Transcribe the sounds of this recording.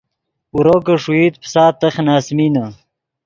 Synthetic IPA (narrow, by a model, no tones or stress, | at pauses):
uɾokɐʂuit̪̚psaːt̪ːɐχnaːsminɐ